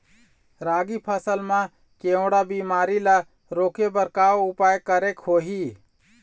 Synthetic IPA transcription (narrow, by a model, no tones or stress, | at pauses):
ɾaːɡipʰəsəlmã | keʊ̃ɽabimaːɾila | ɾoːkebəɾkaːwʊpaːjkəɾekhoɦi